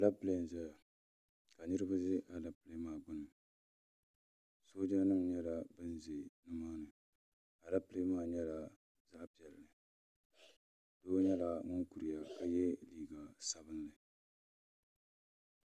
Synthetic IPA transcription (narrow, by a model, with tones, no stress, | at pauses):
a˨la˦ple˨zɛ˦ja˨ | ka˨nɨ˦ɾɨ˦ba˦zɪ˦ʔa˨la˦ple˦maː˦˨ɡ͡bʊ˦nɨ˨ | soː˦d͡ʒa˦nɨ˦ŋɲɛ˦la˨bɨ˦n˦ze˨nɨ˦maː˦nɨ˨ | a˨la˦ple˦maː˦˨ɲɛ˦la˨ | za˦ʔpi˨ɛ˨lnɨ˨ | doː˦ɲɛ˦la˨ŋʊ˦ŋku˨ɾɪ˨ja˨ka˦jɛ˦liː˦˨ɡa˨sa˨bɨ˦nːɨ˨